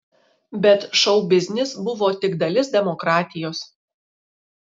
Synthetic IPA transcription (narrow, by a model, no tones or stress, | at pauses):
bʲɛt̪ʃɒʊbʲɪzʲnʲɪsbʊʋoːt̪ʲɪɡd̪ɐlʲɪsd̪ʲɛmɔkɾɑːt̪ʲɪjoːs